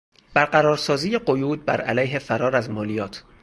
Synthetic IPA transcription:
b̥æɾɢæɾɒːɾsɒːziːjeɢo̞juːd̪̚bæ̰ɾælæjɦe̞fæɾɒːɾæzmɒːlijɒːt̪ʰ

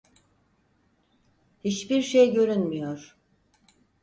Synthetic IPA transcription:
hit͡ʃbiɾʃejɟø̞ɾynmyjoɾ̥

